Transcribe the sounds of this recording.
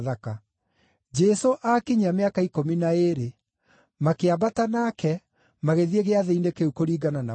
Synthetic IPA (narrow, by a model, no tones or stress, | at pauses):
ðaka | d͡ʒɛsoʔakiɲameakaikominaeɾe | makeabatanakɛ | maɣeðieɣeaðeindekeukoɾiːɡanana